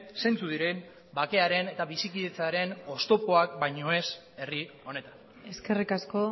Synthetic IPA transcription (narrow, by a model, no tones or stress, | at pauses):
se̞nt͡suðiɾe̞m | bake̞aɾe̞ne̞t̪aβisikiðe̞t͡saɾe̞no̞st̪o̞po̞ak̚bajɲo̞e̞s | e̞rio̞ne̞t̪an | e̞ske̞rikasko̞